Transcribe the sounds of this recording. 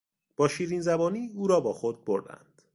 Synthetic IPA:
b̥ɒːʃiːɾiːnzæbɒːniːuːɾɒːbɒːxod̪̚boɾd̪æ̰nd̪̥

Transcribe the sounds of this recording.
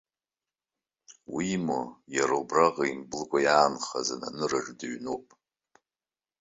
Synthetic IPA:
wimojaɾobraʁaimbɨlɡʷʼajaːnχazana̰nɨraʐdɨɥnowpʼ

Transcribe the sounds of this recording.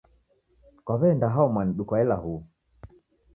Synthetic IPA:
kwaβɛndaɦaɔmwaniɗukwaɛlahu

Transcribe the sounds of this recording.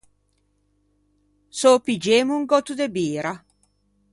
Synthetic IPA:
sopid͡ʒeːmuŋɡɔt̪ud̪ebiːɾa

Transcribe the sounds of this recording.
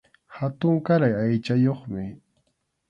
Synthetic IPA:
hat̪ʊŋkaɾajajt͡ʃajoχmɪ

